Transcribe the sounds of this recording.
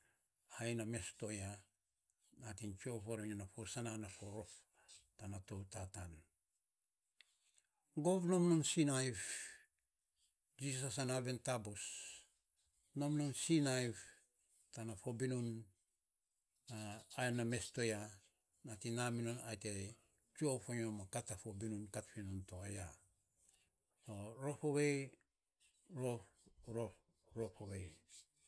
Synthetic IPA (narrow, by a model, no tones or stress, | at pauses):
hajname̞sto̞ja | natint͡ʃo̞poɾoɲanafo̞sananafo̞ɾo̞f | tanato̞wtatan | ɡo̞vno̞mnonsinajv | d͡ʒissasanaβe̞ntabos | no̞mnonsinajf | tanafobinun | aːename̞stoja | natinaminonajte | t͡ʃiofoɲomakatafobinunkatpinuntoaja | toɾo̞foβej | ɾoɾo | ɾopowej